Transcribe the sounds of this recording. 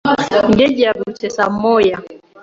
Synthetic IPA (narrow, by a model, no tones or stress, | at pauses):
ŋɡɛd͡ʒiabut͡ʃɛsamɔja